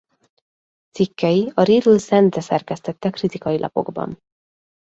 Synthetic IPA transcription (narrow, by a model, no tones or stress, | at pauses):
t̪sikːɛjiɒɾiːɾylsɛnt̪rɛsɛrkɛst̪ɛt̪ːɛkrit̪ikɒjilʔɒ̰po̞̰ɡbɒ̰n